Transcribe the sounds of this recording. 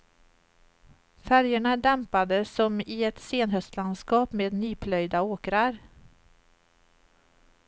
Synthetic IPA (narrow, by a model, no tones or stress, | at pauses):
fæɾjəɳaɖ̪ɛmpad̪əsɔmɪɛt̪seːnɦœst̪land̪skɑːpmeːd̪nyːpʰlœjd̪aoːkɾaɾ